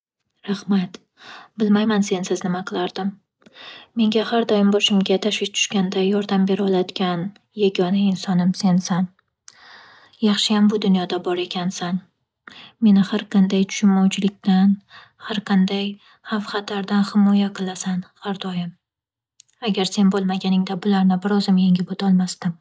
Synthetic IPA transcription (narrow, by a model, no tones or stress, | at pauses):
ɾahmat̪ | bɪlmajmanse̞nsɪznɪmaqʰɨlˠaɾd̪ɪmː | e̞ŋɡʲahaɾd̪ɒjɪmbɒʃɪmɡʲat̪ʰaʃwɪʃt̪ʰʊ̥ʃkʲand̪ajɒɾd̪ambe̞ɾɒlˠad̪ɪɡʲan | jaɡʲɒnaɪnsɒnɪmse̞nsan | jɑχʃɪjambʊd̪ʊnjɒd̪abɒɾe̞kʲʰansan | me̞nɪhaɾqʰɑnd̪ajt̪ʰʊ̥ʃʊnmawt͡ʃʰɪlɪkʲt̪an | haɾqʰɑnd̪aj | hafχɑt̪aɾd̪anhɪmɒjaqʰɨlˠasanhaɾd̪ɒjɪm | aɡʲaɾse̞nbolˠmaɡʲanɪŋd̪abʊlaɾnɪbɪɾɒzɪmjeŋɡʲɪbot̪ʰɒlˠmast̪ɪm